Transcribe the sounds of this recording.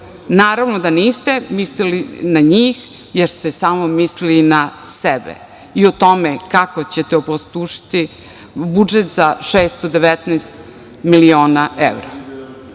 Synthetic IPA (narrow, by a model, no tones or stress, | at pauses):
naːɾaʋnod̪aniːst̪emislilinaɲiːx | jeɾst̪esaːmomislilinasebḛ | iot̪o̞mekakot͡ɕet̪eopost̪uʃi̥t̪i | bud͡ʒet̪zaʃeːst̪od̪eʋet̪nɛːst̪ | milio̞ːnaḛvɾa